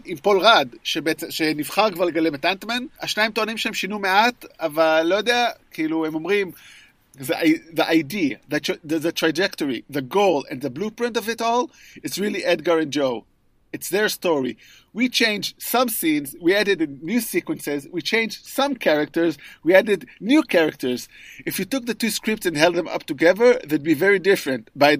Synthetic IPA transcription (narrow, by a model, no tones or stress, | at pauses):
ĩmpolʁadʃebeɛt͡sʃeniv̥χaʁkvaleɡalemetãntmɛ̃naʃnaĩmtoanĩmʃeẽmʃinumeatavalːojodeakʰiːluhemomʁĩm | ðəʔajðəʔajdiaðətððətɹad͡ʒɛktoɹiðəɡoʊlɛ̰̃nðəblupɹɪ̃ntovɪtɔlɨtsɹiliʔɛd̚ɡəɹɛ̃nd͡ʒoʊ | ɨtsðɛɹstɔɹi | wit͡ʃẽɪ̃nd͡ʒsʌ̃msĩnzwiædɨdɨ̃nːjusikwə̃nsɛzwit͡ʃẽɪ̃nd͡ʒsʌ̃mkʰɛɹək̚tə˞zwiædɨdnjukʰɛɹək̚tə˞zɨfjutʊk̚ðətuskɹɪp̚tsɛ̃ndhɛlˠd̪ðɛ̃mʔʌ̰p̚tuɡɛðə˞ðed̚bivɛɹidɪfɹɨ̃ntba